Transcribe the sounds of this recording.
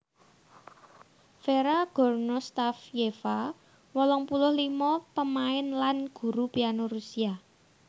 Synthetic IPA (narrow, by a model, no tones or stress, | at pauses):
feɾaɡ̥ɔ̤rnost̪afjefa | wɔlɔŋpulʊhlimɔpəmaɪnlanɡ̥ṳɾupianoɾusia